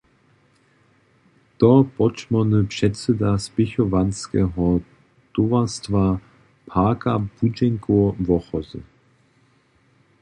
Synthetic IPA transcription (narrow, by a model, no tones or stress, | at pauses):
t̪ɔpɔt͡ʃmɔnəpʂɛtsɛd̪aspɪçɔvanskɛɦɔ | t̪ovastva | pʰaːkab̥ud͡ʒɛŋkovɔχɔzə̰